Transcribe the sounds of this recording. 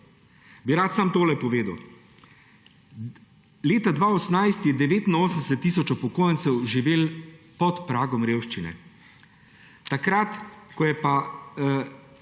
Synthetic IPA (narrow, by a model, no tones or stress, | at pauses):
biɾaːt̪samt̪oːlɛpɔʋeːd̪əw | leːt̪ad̪ʋaːɔsnajst̪jɛd̪ɛʋeːt̪inoːsən̩sɛt̪ːiːsɔt͡ʃɔpɔkoːjənsɛwʒiʋeːlpɔt̪pɾaːɡɔmɾeːwʃt͡ʃinɛ̰ | t̪akɾat̪kɔjɛpa